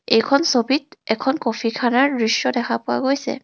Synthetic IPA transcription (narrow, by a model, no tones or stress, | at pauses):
ejkʰɔnsobit̚ɛkʰɔnkopʰikʰanaɹɡɹisjɔdɛkʰapʊa̰ɡojsɛ̰